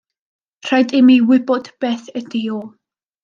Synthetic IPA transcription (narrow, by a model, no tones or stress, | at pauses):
r̥ajdɪmiwɪbɔd̥b̥eːθədioː